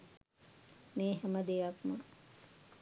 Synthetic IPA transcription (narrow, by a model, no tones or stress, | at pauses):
meːɦæməd̪ejakmɐ